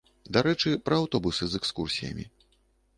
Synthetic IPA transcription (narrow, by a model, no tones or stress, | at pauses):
d̪aɾɛt͡ʂɨpɾɐːwt̪ɔbusɨzɛkskursʲijɐ̰mʲḭ